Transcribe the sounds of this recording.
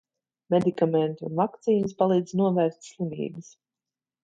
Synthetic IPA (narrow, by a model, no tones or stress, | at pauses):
med̪ikamɛnt̪unvakt̪siːnɨspalˠiːd̪znuɔvæːɾst̪ʲslˠimʲḭːbəs